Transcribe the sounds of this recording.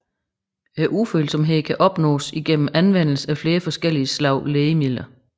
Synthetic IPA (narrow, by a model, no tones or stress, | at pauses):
æɐʔuføːlsɒ̽mɦe̝ð̰ˠkʰæʔɒ̽b̥nɔ̰̽ːsiɡ̥en̰m̩ænʋen̰l̩səæfle̝ːɐfɒ̽sɡ̥el̰iəslɑ̈ʊ̰leːəmið̰ˠlɐ